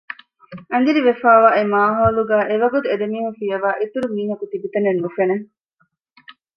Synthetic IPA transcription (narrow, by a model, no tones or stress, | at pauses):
ɐn̆d͡ʒiɾiʋefaːʋaːʔemaːɦoːluɡæːʔeʋɐɡut̪ued̪emiːhũfijɐʋaːʔit̪uɾumiːɦɐkut̪ibit̪ɐnenːufene